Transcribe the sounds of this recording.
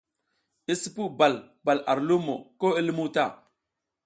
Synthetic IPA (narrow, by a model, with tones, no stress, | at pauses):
i˦si˦pu˦ba˨l | ba˨la˨ɾlu˦mo̰˨ko˦i˦lmu˦ta˦˨